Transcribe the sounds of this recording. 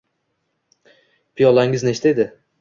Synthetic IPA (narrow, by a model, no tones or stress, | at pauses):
pʰijɒlˠaŋɪzneʃt̪ed̪ɪ